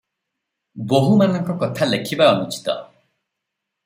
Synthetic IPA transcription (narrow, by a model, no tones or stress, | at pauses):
boɦumanɔŋkɔkɔt̪ʰalekʰibaɔnut͡ʃi̥t̪ɔ̰